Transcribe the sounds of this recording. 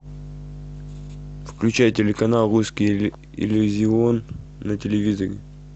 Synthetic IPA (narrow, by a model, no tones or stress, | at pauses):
fklʲʉt͡ɕajtʲɪlʲɪkɐnalˠɾuskʲij | ɪ̰lʲʊzʲɪonː | ətʲɪlʲɪvʲizəɾʲɪ̰